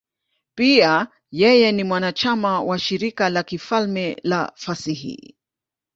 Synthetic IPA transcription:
pia | jɛjɛnimwanat͡ʃamawaʃiɾikalakifalmɛla̰fasihḭ

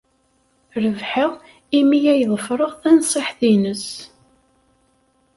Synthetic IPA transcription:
ɾəvħəʁ | imijæjðˤəfɾˤəʁθænsˤeħθinəs

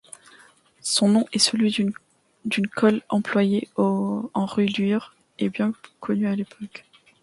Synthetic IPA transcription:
sɔ̃nɔ̃ʔɛsəlɥi | d̪ynkʰɔlɑ̃plwajeoɑ̃ʁylyʁ | ebjɛ̃kʰɔnyalepʰɔk

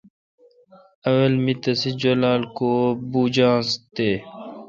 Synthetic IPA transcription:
ɐwɐlmit̪ɐsid͡ʒɐlaːlkobuːd͡ʑãːst̪eː

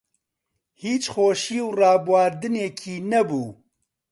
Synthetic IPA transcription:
hiːt͡ʃxoːʃiːwrɑːbwaːɾd̪ɨneːkʰiːnɛbuː

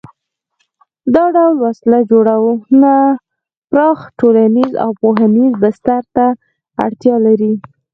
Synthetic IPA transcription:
d̪ɑɖawlwaslad͡ʒoɽawuna | pɾɑxʈolaniza̰wpoɦanizbɪst̪aɾt̪a | a̰ɽt̪jɑlaɾi

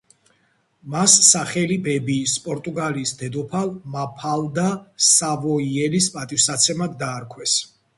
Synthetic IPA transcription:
masːaχɛlibɛbiːspʼɔɾt̪ʼuɡaliːsd̪ɛd̪ɔpʰalˠmapʰalˠd̪asavɔiɛlispʼat̪ʼifsat̪sʰɛmad̪ːaːɾkʰwɛs

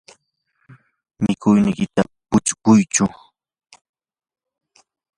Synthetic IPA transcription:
mɪkʊjnɪjkɪt̪apʊt͡ʃkʊjt͡ʃʊ

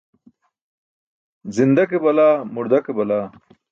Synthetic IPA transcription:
zind̪ɐkebɐlaːmuɾd̪ɐkebɐlaː

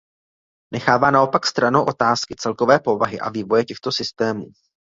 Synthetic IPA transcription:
nʔɛxaːvaːnao̞pakst̪ɾanowʔo̞t̪aːskɪt͡sɛlko̞vɛːpo̞vaɦɪʔa̰viːvo̞jɛcɛxt̪o̞sɪst̪ɛːmuː

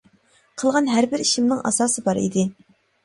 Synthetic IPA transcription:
qʰəlˠʁɑnɦæɾbɪɾiʃimnɨŋʔɑ̰sɑːsɨbɑɾḭd̪ɪ

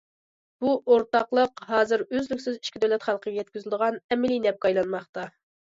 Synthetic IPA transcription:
b̥uʔoɾt̪ɑqlˠəqɦɑːzɪɾøzlykʲsɪzi̥ʃkʲɪd̪ɛwlɛt̪χɑlˠqʰəɡʲɛjɛt̪̚kʲyzlɪd̪əʁɑnɛmɪlijnɛp̚kɑjlˠɑnmɑχt̪ɑ

